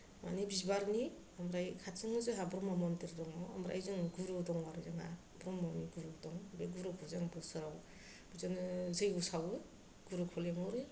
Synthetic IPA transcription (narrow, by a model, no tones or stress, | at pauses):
ma̰nibisbaɾni | amɾajkʰatsɯŋɯzɯɦabɾɔmamɔntɯɾdɔŋɔa̰mɾa̰jzɯŋɡuɾudɔŋwaɾɯzɯŋa̰ | bɾɔmːɔniɡuɾudɔŋbeɡuɾukʰɔzaŋbɯsɯɾaw | bizɯnzɯjɡusawɯ | ɡ̥uɾukʰɔleŋɔɾɯ